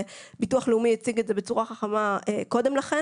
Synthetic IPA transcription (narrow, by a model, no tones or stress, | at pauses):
bituɐχleumijat͡siɡetzebe̞t͡suʁaχaχamaeko̞de̞mlaχe